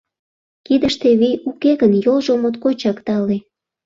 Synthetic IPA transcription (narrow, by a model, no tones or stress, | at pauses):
kid̪əʃt̪eβiukeɣənjolʒomot̪kot͡ɕɑkt̪ɑle